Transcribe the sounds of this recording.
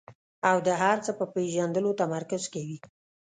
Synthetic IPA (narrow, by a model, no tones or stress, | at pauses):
awd̪əɦaɾt͡səpəpeʒand̪əlot̪amaɾkazkawi